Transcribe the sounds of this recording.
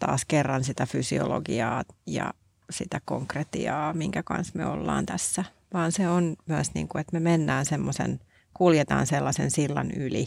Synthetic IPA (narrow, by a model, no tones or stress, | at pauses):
t̪ɑ̰ːskerːɑnsit̪æfysio̰loɡiɑːjɑ̰ | sit̪ækoŋkret̪iɑːmiŋkækɑ̰nsmḛo̰lːɑ̰ːnt̪æsːæ | ʋɑːnseonmyæsnḭːŋkuet̪memenːæːnsemːosḛn | kuljet̪ɑ̰ːnselːɑsensilːɑnyli